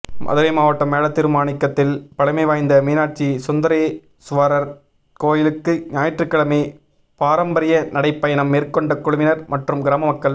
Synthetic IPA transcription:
mʔɐ̰ðɯɾɐɪmaːʋɐʈːɐmeːɭɐt̪ːɪɾɯmaːnɪkːɐt̪ːɪlpɐɽɐɪmɐɪʋaːjnd̪ɐmiːnaːʈ̚t͡ʃisɔnd̪ɐɾɐɪ | sʊʋaːɾɐɾ | koːjɪlɯkːɯɲaːjɐʈrɯkːɐɭɐmi | paːɾɐmbɐɾɪjɐnɐɽɐɪpːɐjɐnɐmːeːɾkɔɳɖɐkːʊɽʊmɪnɐɾmɐʈrɯmɡɪɾaːmɐmɐkːɐɭ

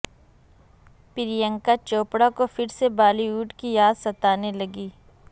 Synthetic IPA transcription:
pɪɾijə̃ŋkat͡ʃoːpɽakofɪɾsebaːliuːʈkijaːd̪sɐt̪aːnelɐɡiː

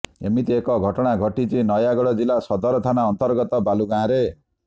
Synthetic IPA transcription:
ḛmit̪iekɔɡʱɔʈɔɽ̃aɡʱɔʈit͡ʃinɔjaɡɔɽɔd͡ʒilasɔd̪ɔɾɔt̪ʰanaɔnt̪ɔɾɡɔt̪ɔbaluɡãːɾe

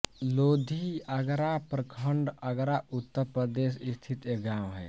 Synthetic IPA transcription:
loːd̪ʱiəɡɾapɾəkʰəɳɖəɡɾaʊt̪ːəɾpɾəd̪eːʃɪst̪ʰit̪eɡaːmɦɛ̰ː

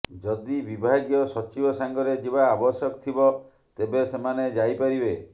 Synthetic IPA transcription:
d͡ʒɔd̪ibibʱaɡjɔsɔt͡ʃibɔsaŋɡɔɾed͡ʒibaːbɔsjɔkt̪ʰibɔ | t̪ebesemaned͡ʒajpaɾibe

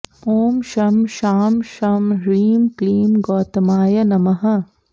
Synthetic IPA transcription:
oːmʃɐmʃaːmʃɐmɾiːmkliːmɡɔːt̪ɐmaːjɐnɐmɐɦɐ

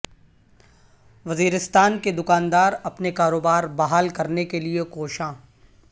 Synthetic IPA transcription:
ʋɐziːɾɪst̪aːnked̪ʊkaːnd̪aːɾɐpnekaːɾoːbaːɾbaɦaːlkɐɾnekeliekoːʃãː

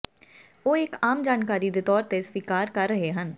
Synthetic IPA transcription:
oːɪkaːmd͡ʒaːnkaːɾiːd̪eːt̪ɔːɾt̪esʋiːkaːɾkəɾːəɦeːɦən

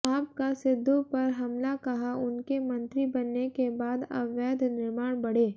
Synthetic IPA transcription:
aːp̚kasɪd̪ʱːõpɐɾɦɐmlakɐɦaʊnkemɐ̃nt̪ɾibɐnːekebaːd̪ɐ̰ʋɛːd̪ʱnɪɾmaːɽ̃bɐɽ̤eː

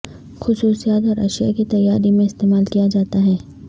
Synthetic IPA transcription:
xʊsuːsijaːt̪ɔːɾɐ̰ʃija̰kit̪ɐjːaːɾimẽɪst̪eːmaːlkijad͡ʒaːt̪aɦɛː

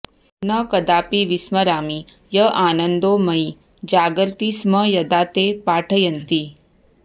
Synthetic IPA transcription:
nəkɐd̪aːpiʋismɐɾaːmi | jəʔaːnənd̪omɐi | d͡ʒaːɡɾt̪isməjɐd̪aːt̪epaːʈʰəjɐnt̪i

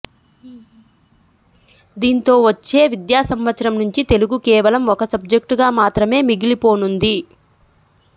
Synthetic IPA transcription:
d̪iːnt̪o̞ːʋɐt͡ʃːe̞ːʋid̪jaːsɐmʋɐt̪sɐɾɐmnuɲt͡ʃit̪e̞luɡukɛːʋɐlɐmɔkɐsɐb̚d͡ʒek̚ʈɡaːmaːt̪ɾɐme̞ːmiɡilipo̞ːnund̪i

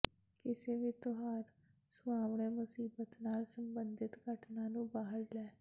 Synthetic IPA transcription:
kɪseːʋiːt̪oɦaːɾ | sʊaːʋɳeːmʊsiːbət̪naːlsəmbənd̪ɪt̪ɡəʈnaːnũːbaːɦəɾlɛː

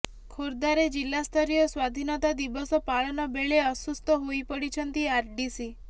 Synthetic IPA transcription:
kʰoɾd̪aɾed͡ʒilːast̪ʰɔɾijɔswad̪ʱinɔt̪ad̪ibɔsɔpaɭɔnɔbeɭeɔsust̪ʰɔɦoipɔɽit͡ʃʰɔnt̪iaɾɖisi

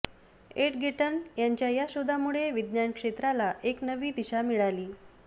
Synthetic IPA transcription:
eʈɡʱeʈənjaɲt͡ɕjajaɕod̪ʱamuɭeʋid̪njaɳkʂet̪ɾalaʔeknəʋiːd̪iɕamiɭaliː

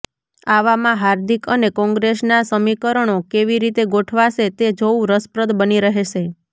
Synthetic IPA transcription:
aʋamãɦaɾd̪ʱikənekɔ̃ŋɡɾesnasəmikəɾəɳ̃okeʋiɾit̪eɡoʈʰʋaʃet̪ed͡ʒoũɾəspɾəd̪bəniɾəɦeʃe

